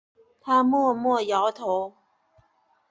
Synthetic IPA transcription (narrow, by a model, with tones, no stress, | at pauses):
t̪ʰa˥mwɔ˥˧mwɔ˥˩jɑ˧˥ʊt̪ʰo˧˦ʊ